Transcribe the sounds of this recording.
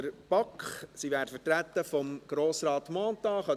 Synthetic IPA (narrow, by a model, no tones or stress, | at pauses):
əɾb̥ɑkχsiʋæːɾtfətɾæt̪ːəfɔmɡ̥ɾoːsɾɑːt̪mɑːnt̪ɑːχɑ